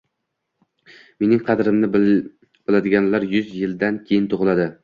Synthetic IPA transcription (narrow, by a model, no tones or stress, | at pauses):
me̞nɪŋqʰɑd̪ɾɪmnɪ | b̥ɪlad̪ɪɡʲanlaɾjʊzjɪlˠd̪ankʲʰejɪnt̪ʰoʁɨlˠad̪ɪ